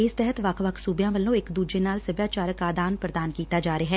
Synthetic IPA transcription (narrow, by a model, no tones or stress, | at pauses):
ɪst̪ɛɦət̪ʋakʰʋɐkʰsuːbjãːʋəlõɪkd̪uːd͡ʒenaːlsəbjaːt͡ʃaːɾəkaːd̪aːnpɾəd̪aːnkiːt̪ad͡ʒaːɾəɦɛː